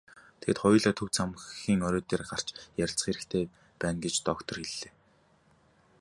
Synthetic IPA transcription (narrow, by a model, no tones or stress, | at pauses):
t̪ʰeĕt̪χʊjɮaːt̪ʰɵw̥t͡sʰamxiːŋɔɾoːt̪eːrɢar̥t͡ɕjæɾʲɪ̆ɬt͡s̆χeɾɘ̆kt̪ʰeː | pæːnɡet͡ɕt̪ɔkt̪ʰɞ̆rxeɮːeː